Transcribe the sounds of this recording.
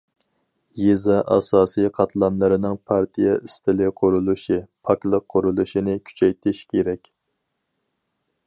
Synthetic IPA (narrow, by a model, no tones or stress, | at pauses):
jezɑʔɑ̰sɑːsijqʰɑt̪ʰlˠɑnlˠɨɾɪnɪŋpʰɑɾt̪ʰijɛɪst̪ʰɪlɪqʰoɾulˠuʃipʰɑklˠəqʰːoɾulˠuʃinɪkʲʰy̥t͡ʃʰɛjt̪ʰɪʃkʲʰeɾɛkʲ